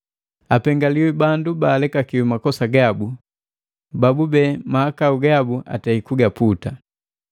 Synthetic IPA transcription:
apɛŋɡaliwibandubaːlɛkakiwumakɔsaɡabu | babubɛːmahakauɡabuʔa̰taikuɡaputa

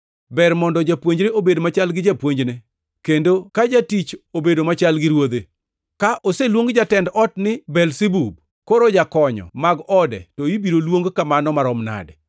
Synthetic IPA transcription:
bɛrmɔndɔd͡ʒapwoɲd͡ʒɾeobedmat͡ʃalɡɪd͡ʒapwoɲd͡ʒne | kendokad͡ʒatit͡ʃobedomat͡ʃalɡɪɾwod̪e | kaʔoselwoŋɡd͡ʒatɛndɔtnɪbɛlsebub̚ | koɾod͡ʒakɔɲɔ̰maɡɔdɛ̰toibiɾolwoŋɡkamanɔmaɾɔmna̰dɛ

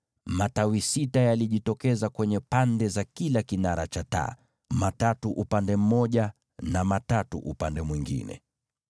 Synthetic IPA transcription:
matawisitajaliʄitɔkɛzakwɛɲɛpandɛzakilakinaɾat͡ʃata̰ | matatuʔupandɛm̩mɔʄa | namatatṵʔupandɛmwiŋɡḭnɛ̰

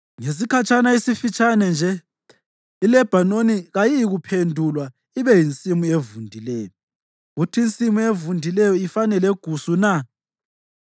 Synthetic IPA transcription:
ŋes̬ikʰat͡ʃʼanaisifit͡ʃʼanɛnd͡ʒʱɛ | ilɛb̥ʱanoniɣajiːɣupʰendʱulwa | iβɛjint͡sʼimuevundʱilɛːjɔ | ɣutʰint͡sʼimuevundʱilɛjɔifanɛlɛɡ̥ʱusuna

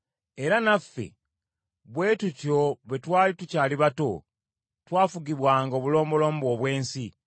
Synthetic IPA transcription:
e̞ɾanafːḛ | βwe̞ːtuco̞βe̞twaːlitucaːliβato̞̰ | twaːfuɡiβwaːŋɡoːβulo̞ːmbo̞lo̞ːm̩bo̞ːβwe̞ːnsi

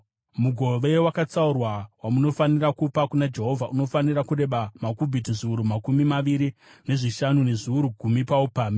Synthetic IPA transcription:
muɡʱo̞ʋe̞wakat͡saurwawamuno̞fanirakupakunad͡ʒe̞ɦo̞vʱaʔuno̞fanirakure̞ɓamakubʱitiʐiuɾumakumimaʋiɾine̞ʐiʃanune̞ʐiuɾuɡʱumipaupaːmi

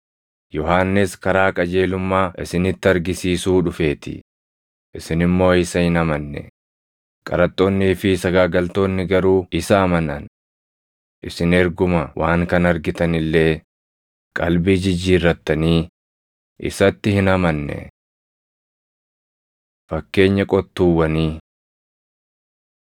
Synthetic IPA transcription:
jɔɦaːnːɪskɐɾaːkʼɐd͡ʒe̞ːlʊmːaːʔɪsɪnɪt̪ːɪɐɾɡɪsiːsuːᶑʊfe̞ːt̪ɪ̰ | ʔɪsɪnɪmːo̞ːɪsɐhɪnɐmɐnːɛ̰ | kʼɐ̰ɾɐt̪ʼːoːnːiːfɪsɐɡaːɡɐlt̪o̞ːnːɪɡɐɾuːɪsɐːmɐnɐ̰n | ʔɪsɪnɛɾɡʊmɐwʔaːŋkɐnɐɾɡɪt̪ɐnɪlːe̞ː | kʼɐlbiːd͡ʒɪd͡ʒiːrːɐt̪ːɐniː | ʔɪ̰sɐt̪ːɪhɪnɐmɐnːɛ̰ | fɐkːe̞ːɲːɐkʼɔt̪ːuːwːɐniː

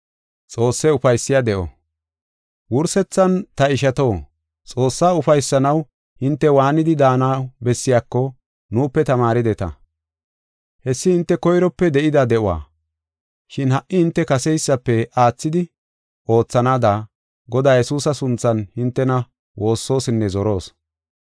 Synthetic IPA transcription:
t͡sʼo̞ːsːɛʊfɐjsːɪjad̪ɛʔɔ̰ | wʊɾsɛt͡sːɐnt̪ɐɪʃɐt̪o̞ː | t͡sʼo̞ːsːaːʊfɐjsːɐnɐw | hɪnt̪ːɛwaːnɪd̪ɪd̪aːnaːbɛsːɪjaːkːɔ | nuːpːɛt̪ɐmaːɾɪd̪ɛt̪ɐ̰ | hɛsːɪhɪnt̪ːɛkɔjɾɔpːɛd̪ɛʔɪd̪ɐd̪ɛʔʊwa̰ː | ʃɪnhɐʔːɪhɪnt̪ːɛkɐsɛjsːɐpːɛaːt͡sːɪd̪ɪ | ʔo̞ːt͡sːɐnaːd̪a | ɡɔd̪aːjɛsuːsɐsʊnt͡sːɐnhɪnt̪ːɛnɐ | wʔo̞ːsːo̞ːsɪnːɛzɔɾo̞ːs

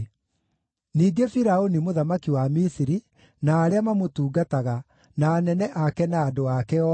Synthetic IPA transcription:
niːɡefiɾaonimoðamakiwamisiɾi | naːɾeamamotuːɡataɣa | naːnɛnɛʔakɛnaːdoakɛɔ

